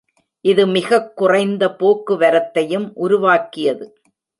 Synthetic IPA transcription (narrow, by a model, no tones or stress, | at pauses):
ʔɪðɯmɪɣɐkːʊrɐɪnd̪ɐpoːkːɯʋɐɾɐt̪ːɐjɯmʔʊɾʊʋaːkːɪjɐðɯ